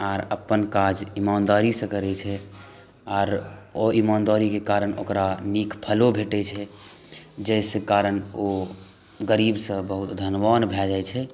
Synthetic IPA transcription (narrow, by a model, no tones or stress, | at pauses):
aɾəpːənkad͡ʒimaːnd̪aɾisə̃kəɾɛt͡ʃʰɛ | aːɾoimaːnd̪aɾikekaɾəno̰kɾanikpʰəlobʱeʈɛt͡ʃʰɛ | d͡ʒɛsẽkaɾəno | ɡəɾibsə̃bəɦut̪d̪ʱənʋanbʱɛld͡ʒajt͡ʃʰɛ